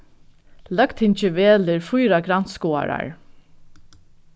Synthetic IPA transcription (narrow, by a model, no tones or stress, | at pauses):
lœkt̪hɪɲt͡ʃɪʋeːlɪɹfujɾaɡɾan̥t̪skɔːa̰ɾa̰ɹ